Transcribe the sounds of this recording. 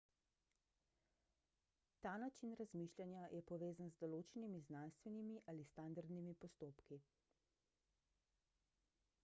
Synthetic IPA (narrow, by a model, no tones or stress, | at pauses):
t̪aːnat͡ʃinɾazmiʃlʲjanjajʔɛpɔʋeːzanzd̪ɔloːt͡ʃɛnimiznanst̪ʋɛnimiʔalist̪and̪aɾd̪nimipɔst̪oːpki